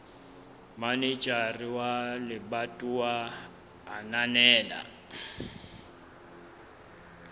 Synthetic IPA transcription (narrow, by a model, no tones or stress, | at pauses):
manit͡ʃʼariwalɪbatʼuwaː | nanɛːla̰